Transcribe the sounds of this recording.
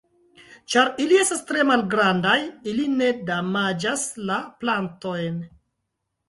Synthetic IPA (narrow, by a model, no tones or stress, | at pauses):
t͡ʃaɾilie̞stastɾe̞malɡɾandajiline̞damad͡ʒaslaplanto̞jn